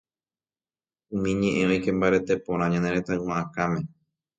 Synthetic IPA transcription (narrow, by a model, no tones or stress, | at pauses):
ũmĩɲẽʔẽojkẽ̞mbaɾet̪epõɾ̃ãɲãneɾe̞t̪awãʔãkãmẽ̞